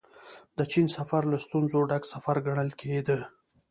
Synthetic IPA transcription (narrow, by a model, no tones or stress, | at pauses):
d̪̥ət͡ʃinsafaɾlast̪unzoɖaɡsafaɾɡaɳəlkʰed̪ə